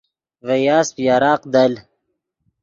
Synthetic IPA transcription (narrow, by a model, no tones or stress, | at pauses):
vejaːspjaːɾaːqd̪ɐl